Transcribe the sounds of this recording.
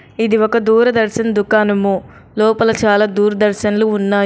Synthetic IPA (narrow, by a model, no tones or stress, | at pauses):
id̪iɔkɐd̪uːɾɐd̪ɐɾʃɐnɐd̪ukaːnɐmu | lɔːpɐlɐt͡ʃaːlaːd̪uːɾɐd̪ɐɾʃɐnɐluːnːaː